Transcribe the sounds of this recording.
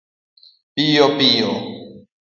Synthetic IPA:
pijɔpijɔ

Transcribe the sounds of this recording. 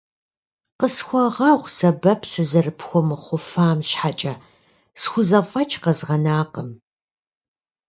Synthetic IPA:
qəsxʷɐʁɐʁʷsɐbɐpʰsɨzɐrɨpʰxʷɔmɨχʷʊfaːmɕħat͡ʃʼɐ | sxʷʊzɐfʷʼɐt͡ʃʰʼqɐzʁɐnaːqəm

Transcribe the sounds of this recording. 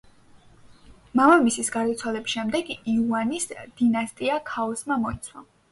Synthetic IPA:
mamamisisɡaɾd̪at̪sʰwalɛbisʃɛmd̪ɛɡiuanisd̪̥inast̪ʼiakʰaɔsmamɔit̪sʰwa

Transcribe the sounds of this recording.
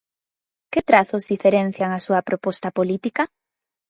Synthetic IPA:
kɪt̪ɾaθʊzðifeɾen̟θjaŋɐsuɐpɾopɔst̪ɐpolit̪ikɐ

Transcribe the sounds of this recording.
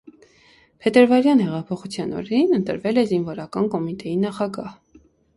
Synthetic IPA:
pʰɛt̪əɾvɑɾjɑnhɛʁɑpʰɔχut͡sʰjɑnɔ̰ɾɛɾinənt̪ə̰ɾvɛlɛzinvɔɾɑkɑnkɔmit̪ɛjinɑχɑɡɑh

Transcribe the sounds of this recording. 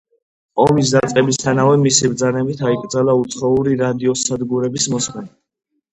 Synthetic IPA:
ɔmis̬d̪at̪sʼqʼɛbist̪ʰanavɛmisibɾd̪zanɛbit̪ʰaikʼɾd̪zalaut̪sʰχɔuɾiɾad̪iɔsad̪ɡuɾɛbismɔsmɛna

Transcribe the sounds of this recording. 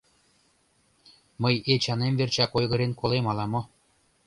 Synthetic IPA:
mɤjet͡ɕɑnemvert͡ɕɑkojɣɤ̆ɾenkolˠemɑlˠɑmo

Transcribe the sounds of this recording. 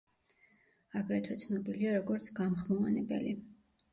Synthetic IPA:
aɡɾɛt̪ʰwɛt̪sʰnɔbiliaɾɔɡɔɾt̪sʰɡamχmɔanɛbɛ̰li

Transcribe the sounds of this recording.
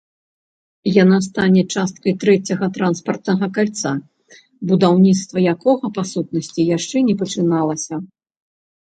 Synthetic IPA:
janast̪anʲɛt͡ʂast̪̚kɐjt̪ɾɛt͡sʲɐɣɐt̪ɾanspɐrt̪nɐɣɐkalʲt̪sa | bud̪awnʲit̪st̪vɐjakɔɣɐpasut̪̚nɐsʲt͡sʲijaʂt͡ʂɛnʲɛpɐt͡ʂɨnalˠɐsʲɐ

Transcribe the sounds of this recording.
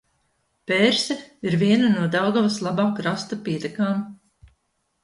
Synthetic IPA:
pɛːɾsɛiɾviɛnanuɔd̪awɡavaslˠabaːkɾast̪apiɛt̪ɛkaːm

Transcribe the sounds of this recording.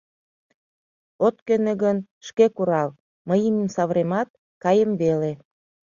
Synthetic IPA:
ot̪̚køneɣən | ʃkekuɾɑl | məjəməmsɑβɾemɑt̪̚ | kɑjəmβele

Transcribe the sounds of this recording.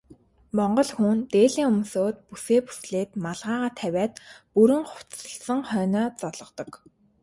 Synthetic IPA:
mɔɴɢɞ̆ɮxunt̪eːɮiːŋʊmsoːt̪̚puseːpu̥sɮeːt̪maɮʁaːʁaːt̪ʰæwʲæːt̪puɾɘ̆ŋχʊ̥t͡sə̆ɬsə̆ŋχœːnɔːt͡sɔɮɞ̆t̪ɞ̆k

